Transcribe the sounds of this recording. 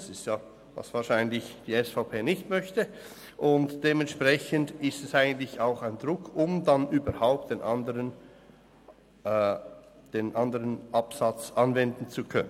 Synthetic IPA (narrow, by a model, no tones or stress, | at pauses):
sɪstjaː | va̰sv̥aːʃaɪənlɪçd̥iːɛsfaʊpʰeːnɪçtmœçtə | ʔʊntd̥eːmɛntʃpʁ̥ɛçəndɪstɛsaɪɡən̩tlɪçaʊxaɪndʁʊkʰʊmdanʔyːbɐɾhaʊp̚t̚d̥enʔandəʁən | d̥eːnʔandəʁənʔapsat͡sʔɑnvɛndn̩t͡sukʰœnən